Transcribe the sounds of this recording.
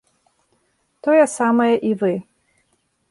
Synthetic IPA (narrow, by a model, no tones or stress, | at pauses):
t̪ɔjɛsamɐjɐʔivɨ